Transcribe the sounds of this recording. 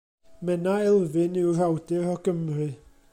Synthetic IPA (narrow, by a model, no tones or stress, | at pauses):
mɛnaɛlˠvɨnɪwr̥awdɪɾɔɡəmrɨ